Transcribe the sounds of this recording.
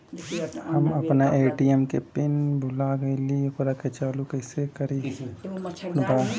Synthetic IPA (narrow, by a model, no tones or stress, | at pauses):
hɐmɐpnaʔeːʈiɛmkepɪnbʱʊlaɡɐilixʊɾaket͡ʃaːlukɐɪsekɐɾiː | nbaː